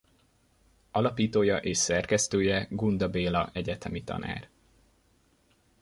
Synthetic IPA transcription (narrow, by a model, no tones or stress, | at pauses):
ɒlɒpiːt̪oːjɒʔeːʃsɛrkɛst̪øːjɛɡund̪ɒbeːlɒʔɛɟɛt̪ɛmit̪ɒ̰na̰ːr